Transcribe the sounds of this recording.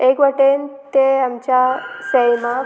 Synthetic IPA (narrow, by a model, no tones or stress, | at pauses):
ekʋəʈent̪eamt͡ɕasəjmã